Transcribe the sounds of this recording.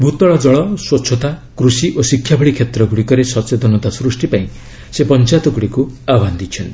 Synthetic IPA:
bʱut̪ɔɭɔd͡ʒɔɭɔswɔt͡ʃʰɔt̪akɾusiʔosikʰːjabʱɔɽɭikʰjet̪ɾɔɡuɽikɔɾesɔsed̪ɔnɔt̪asɾusʈipaĩ | sepɔnt͡ʃat̪ɔɡuɽikuaband̪it͡ʃʰɔnt̪i

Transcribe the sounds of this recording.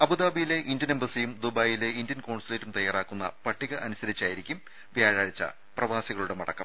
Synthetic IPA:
ɐbud̪aːbijile̞ʔindjɐnembɐsijumd̪ubaːjile̞indjɐnkoːɳsɐleːtːumt̪ɐjaːraːkːunːɐ̰pɐʈʰːiɣɐʔɐnusɐɾit͡ɕːaːjiɾikʲːum | ʋjaːɻaːɻit͡ɕːɐ̰ | prɐʋaːsiɣɐɭuɽemɐɽɐ̰kːɐ̰m

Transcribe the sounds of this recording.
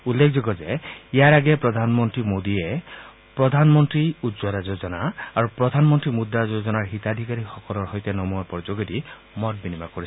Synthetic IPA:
ulːekʰd͡ʒoɡɔd͡ʒeiaɾaɡepɾɔd̪ʱanmɔnt̪ɾimod̪ie | pɾɔd̪ʱanmɔnt̪ɾiudzɔɾad͡ʒod͡ʒɔnaaɾupɾɔd̪ʱanmɔnt̪ɾimud̪ːad͡ʒod͡ʒɔnaɹɦit̪ad̪ʱikaɾixɔkɔlɔɹɦɔjt̪enɔmuɔpɔɾd͡ʒoɡiɾi | mɔt̚binimakɔɾi

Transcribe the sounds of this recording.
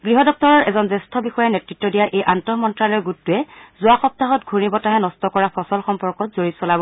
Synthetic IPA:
ɡɹiɦɔdɔk̚tɔɹɔɹɛzɔnzɛstʰɔbixɔjɛnɛtɹitːɔdijaʔejʔantɔmɔntɹalɔɹɡutːʊɛzʊaxɔp̚taɦɔtɡʱunibɔtaɦɛnɔstɔkɔɹapʰɔsɔlxɔmpɔɹkɔtzoɹisɔlabɔ

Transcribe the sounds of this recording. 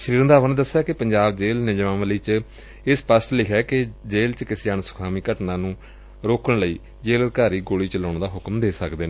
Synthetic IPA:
ʃəɾiːɾə̃nd̪aːʋənd̪əsːjaːkɪpəɲd͡ʒaːbd͡ʒeːlnɪd͡ʒʋãːnʋəliːt͡ʃ | ɪspəsʈlɪkʰɛːkɪd͡ʒeːlt͡ʃkɪseːaːnsʊ̥kʰaːmiːkəʈnãːnũː | ɾoːkəɳləiː | d͡ʒeːləd̪kaːɾiːɡoːɽiːt͡ʃəlõːɳd̪aːɦʊkmd̪eːsəkd̪eːneː

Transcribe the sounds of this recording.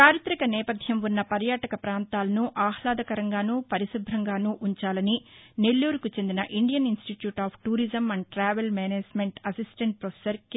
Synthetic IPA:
t͡ʃaːɾit̪ɾɐkɐnɛːpɐd̪ʱjɐmʋunːɐpɐɾjaːʈɐkɐpɾaːnt̪aːlɐnuʔaːhlaːd̪ɐkɐɾɐŋɡaːnuːpɐɾisub̪ʱɾɐŋɡaːnuːʔuɲt͡ʃaːlɐnine̞lːuːɾukut͡ʃe̞nd̪inɐʔiɳɖijɐninsʈiʈjuːʈaːpʰʈuːɾid͡ʒɐmɐɳɖʈɾaːʋelmɛːneːd͡ʒmeɳʈɐsisʈeɳʈ̚pɾopʰesɐɾk

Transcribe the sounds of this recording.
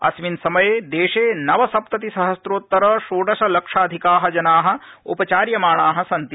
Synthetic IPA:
ɐ̰sʋinsɐmɐjeːd̪eːʃeːnɐʋɐsɐp̚t̪ɐt̪isɐɦɐsɾoːt̪ːɐɾɐʃoːɖɐʃɐlɐkʂaːd̪ʱikaːɦɐd͡ʒɐnaːɦɐ̆ | ṵpɐt͡ʃaːɾjɐmaːɳaːɦɐ̆sɐnt̪i

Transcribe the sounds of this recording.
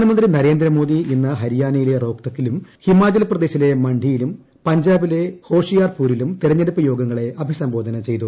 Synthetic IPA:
nɐmɐnd̪rinɐɾe̞ːnd̪rɐmo̞ːd̪iinːɐɦɐɾijaːnɐjile̞ro̞ːkt̪ɐkːilumhimaːd͡ʑɐlprɐd̪eːɕile̞mɐɳɖʱijilum | pɐɲd͡ʑaːbile̞ho̞ːʂijaːrpuːɾilumt̪iɾɐɲːeɽupːɐjo̞ːɡɐŋːɐɭe̞ʔɐbʱisɐmboːd̪ʱɐnɐt͡ɕe̞jt̪̬u

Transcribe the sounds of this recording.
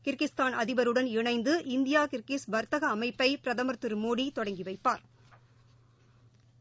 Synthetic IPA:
kɪɾkɪst̪aːnɐðɪʋɐɾɯɽɐnɪɳɐɪnd̪ɯʔɪnd̪ɪjaːkɪɾkisʋɐɾt̪ɐɣɐːmɐɪpːɐɪpɪɾɐðɐmɐɾt̪ɯɾmoːɽit̪ɔɽɐŋɡiʋɐɪpːaːɾ

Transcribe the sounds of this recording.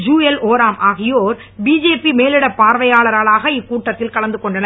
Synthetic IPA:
d͡ʒuːɛloːɾaːmʔaːɣɪjoːɾ | biːd͡ʒeːpimeːlɪɽɐpːaːɾʋɐjaːɭɐɾaːɭaːɣɐɪkːuːʈːɐt̪ːɪlkɐɭɐnd̪ɯkɔɳɖɐnɐ

